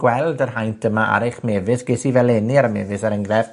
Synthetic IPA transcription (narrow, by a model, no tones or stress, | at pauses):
ɡ̥wɛlˠdərɦajntʰəmaʔa̰ɾɪχmɛːvɨsɡ̥esivɛlˠɛniaɾmɛːvɨsaɾəŋɡrɛv̥